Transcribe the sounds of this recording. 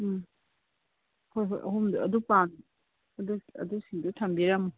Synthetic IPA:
hojɦo̰jʔɐ̰ɦumduɐdupan | ɐduɐ̰dusiŋdutʰambiɾamu

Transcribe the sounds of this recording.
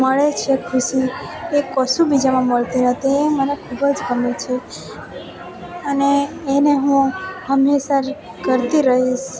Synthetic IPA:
məɭet͡ʃʰekʰuʃiekəsubid͡ʒamãməɭt̪inət̪ʰiemənekʰubəd͡ʒɡəmet͡ʃʰe | əneːneɦũhəmːesaɾ | kəɾt̪iɾəɦiʃ

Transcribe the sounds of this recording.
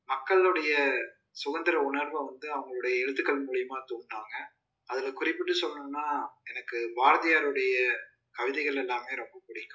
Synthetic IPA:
mɐkːɐɭɯɽɐjɐ | sʊɣɐnd̪ɪɾɐʊɳɐɾʋɐʋɐnd̪ɯɐʋɐŋɡɐɭɯɽɐjɐɛɻɯt̪ːɯkːɐɭmuːɻɪjɐmaːt̪uːɳːaːŋɡɐ | ɐðɪlɐkʊrɪpːɪʈːɯsɔlːɐnɯnːaːɛnɐkːɯbaːɾɐðɪjaːɾɯɽɐjɐ | kɐʋɪðɛɪɣɐɭɛlːaːmeːɾɔmbɐpʊɽɪɐ

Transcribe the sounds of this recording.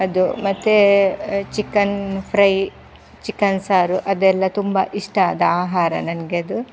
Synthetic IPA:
ɐd̪umɐt̪ːe | t͡ʃikːɐnpʰɾɐj | t͡ʃikːɐnsaːɾuʔɐd̪ɛlːɐt̪umbɐ̰ʔiʂʈɐd̪aːɦaːɾɐ̰nɐnɡeɐd̪u

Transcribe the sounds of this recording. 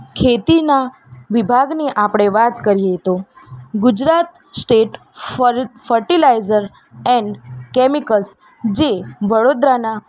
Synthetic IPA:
kʰet̪ina | ʋibʱaɡniʔapɽ̃eʋat̪kəɾijeɦt̪oɡʊd͡ʒɾat̪ | sʈeʈ | fəɾʈilaizəɾ | ɛ̃ɳɖkɛmikəlsd͡ʒeʋəɽod̪ɾana

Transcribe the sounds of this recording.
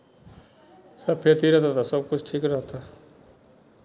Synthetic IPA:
səpʰeɾt̪iːɾət̪at̪asəb̚kʊt͡ʃʰʈʰiːkɾəɦt̪aː

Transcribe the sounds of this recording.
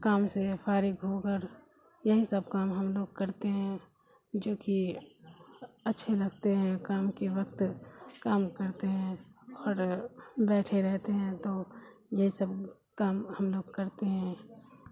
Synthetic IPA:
kaːmsefaːɾɪɡɦoɡəɾ | jɐɦisəb̚kaːmɦəmloːɡ̚kɐɾt̪eɦɛ̃ː | d͡ʒoːki | ɐtːʃʰelɐɡt̪eɦɛ̃kaːmkeʋəkt̪kaːmkəɾt̪eɦɛ̃ɔːɾbɛːʈʰeɾɛɦt̪eɦɛ̃t̪oː | jɐɦisəb | kaːmhɐmloːɡkɐɾt̪eɦɛ̃ː

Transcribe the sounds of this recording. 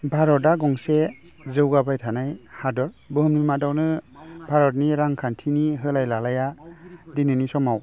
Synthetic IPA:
bʱaɾɔtaɡɔŋse | zɯwɡabajtʰanajhadɔɾ | bɯɦɯmnimadawnɯbʱaɾɔt̚niɾaŋkʰantʰiniɦɯlajlalajadinɯnisɔmaw

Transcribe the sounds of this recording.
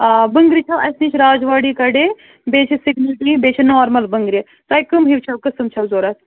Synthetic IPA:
bɐŋɡɾit͡ʃʰɐʋɐsnit͡ʃʰɾaːd͡ʒʋaːɽikɐɖeː | beːt͡ʃʰisɪɡnɐlʈiːbeːt͡ʃʰinoːɾmɐlbɐŋɡɾi | t̪ɐjkɨmɦiʋt͡ʃʰɐwkɐsɨmt͡ʃʰɐwzoːɾɐs

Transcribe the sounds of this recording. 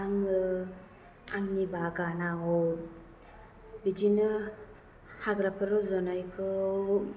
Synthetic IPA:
aŋɯ | aŋnibaɡanaɔ | bid͡ʒinɯ | haɡɾapʰɯɾɔzɔnajkʰɯ

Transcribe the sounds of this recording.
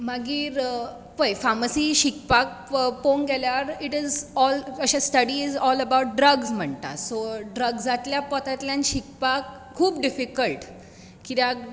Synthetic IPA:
maɡiːɾ | pəjfaməsiːɕikpak̚ponɡɛljaɾiʈizɔləɕasʈəɽid͡zɔləbawuʈ̚ɖɾəɡzm̤əɳt̪a̰soɖɾəɡːat̪ljapɔt̪at̪ljãnɕikpakʰːuːpɖifikəlʈ | kit̪ja

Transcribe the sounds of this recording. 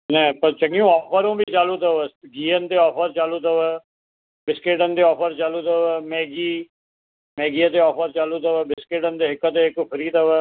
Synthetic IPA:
nɛːpəɾt͡ʃəɡiũːɔːpʰəɾũːbʱiːt͡ʃaːluːt̪əʋəɡiːənt̪eːɔːpʰəɾt͡ʃaːluːt̪əʋɛː | bɪskeʈənd̪eːɔːpʰəɾt͡ʃaːluːt̪əʋəmɛːɡiː | mɛːɡiːə̃t̪̬eːɔːpʰəɾt͡ʃaːluːt̪əʋəːbɪskɪʈənd̪eːɪkət̪eːɪkpʰəɾiːt̪əʋəː

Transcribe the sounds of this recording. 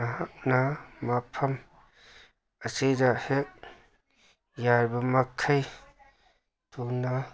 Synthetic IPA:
aɦak̚namapʰɐm | əsedahek̚ | jaɾbɐmakʰːaj | tuna

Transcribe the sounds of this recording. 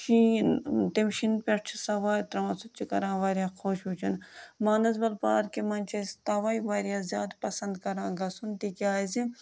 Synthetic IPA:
ʃiːnt̪imʃinpʲeʈt͡ʃʰsɐʋaːjt̪ɾɐmɐsut͡ʃʰikɐɾãːʋaːɾʲjaːkʰoːʃɦuːt͡ʃʰɐnmaːnɐzbɐlpa̰ːɾkemɐnʲt͡ʃʰɐst̪ɐʋaːjʋaːɾjaːzʲja̰ːd̪pɐsɐnd̪kɐɾãːɡɐsunt̪ikiaːzi

